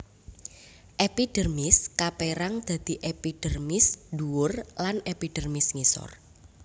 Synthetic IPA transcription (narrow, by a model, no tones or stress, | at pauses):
ʔepiɖ̥ərmɪskapeɾaŋd̪̥a̤d̪̥i̤ʔepiɖ̥ə̤rmɪsduwʊrlanepiɖ̥ərmɪsŋisɔ̰r